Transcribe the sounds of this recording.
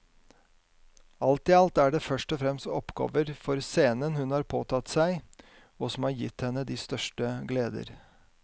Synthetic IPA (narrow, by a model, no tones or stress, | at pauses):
ɑlt̪ɪɑlt̪æɖɛfœʂʈɔfɾɛmst̪ɔpɡɑ̰ːʋəɾfɔɾseːnənhʉnhɑːɾpʰoːt̪ʰɑt̪ːsæɪ | ɔsɔmhɑːɾjɪt̪ːhɛnːəd̪iːst̪œʂʈəɡleːd̪ə̰ɾ